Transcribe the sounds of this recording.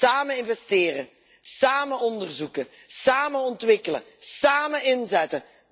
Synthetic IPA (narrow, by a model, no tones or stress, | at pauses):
aːməɪnvɛstɪːɾə | saːməɔndərzukə | saːmənɔntʋɪkələ̰ | saːməɪnzɛtə